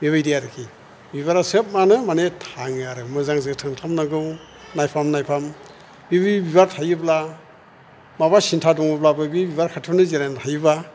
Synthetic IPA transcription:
biβajdijaɾɯkʰi | biβaɾasɯp̚manɯmanetʰaŋaɾɯmɯzaŋzɯtʰɯŋtʰamnaɡɯw | najpʰamnajpʰam | bibibiβaɾtʰajɯbla | maβasintʰadɔŋɯblabɯbibiβaɾkʰatʰunɯziɾajntʰajɯba

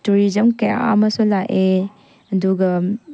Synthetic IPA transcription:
tuɾizɐmkeja̰a̰mɐsulaʔe | ɐduɡɐ

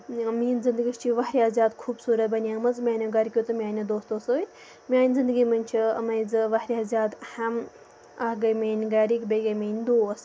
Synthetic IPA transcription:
miːnzind̪əɡist͡ʃʰiʋɐɦɾʲaːzjaːd̪kʰuːbsuːɾɐt̪̚bɐnʲaːmɐd͡zmʲaːnoɡɐɾʲkʲjot̪ɨmʲjaːnʲɐd̪oːst̪oːsɨnʲ | mʲaːnʲzind̪ɨɡimɐnʲt͡ʃʰiɐmɐjd͡zɨʋɐɦɾʲiazʲaːd̪hɐm | ɐɡɐjmeːnʲɡaɾikbejɡɐjmɐnʲd̪oːs

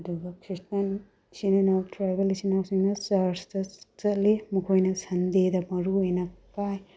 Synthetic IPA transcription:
ɐd̪uɡɐkʰɾistan | sininawtɾajbɐlisinawsiŋnɐsaɾstɐt͡sɐlemukʰojnɐsɐnd̪ed̪ɐmɐɾuejnɐkaj

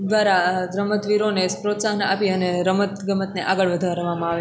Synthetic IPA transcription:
d̪ʋaɾaɾəmət̪ʋiɾonespɾot̪saɦəna̰piəneɾəmət̪ɡəmət̪neʔaɡəɭʋəd̪ʱaɾʋamãaʋe

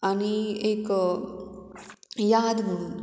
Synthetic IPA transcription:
aniek | jad̪bʱuun

